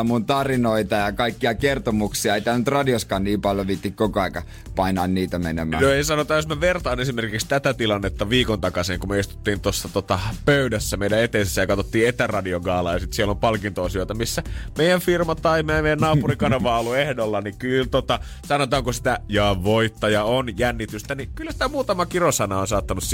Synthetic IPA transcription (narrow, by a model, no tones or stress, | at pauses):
munt̪ɑrinoit̪ɑjɑkɑikːiɑkert̪omuksiɑeit̪ænyt̪rɑdioskɑːnniːmpɑljoʋiːt̪ːikkokoɑikɑ | pɑinɑ̰inniːt̪æmḛnḛmˑæ̰ːnoeisɑnot̪ɑːjosmeʋert̪ɑːnesimerkikst̪æt̪æt̪ilɑnːet̪ːɑʋiːkont̪ɑkɑseːŋkumeist̪u̥t̪ːiːnt̪osːɑt̪ot̪ɑpøydæsːæmeidæet̪ensesːæjɑkɑt̪ot̪ːiːet̪ærɑdioɡɑːlɑːjɑsit̪sielːompɑlkint̪oɑsioit̪ɑmisːæmeˑjˑæɱfirmɑt̪ɑimemeijænːɑːpurikɑnɑʋɑːolːuehdolːɑnikylt̪ot̪ɑ | sɑnot̪ɑːŋkusi̥t̪æjɑːʋʋoit̪ːɑjɑonjænːit̪yst̪ænikylːæsi̥t̪æmuːt̪ɑmɑkirosɑnɑonsɑːt̪ːɑnuss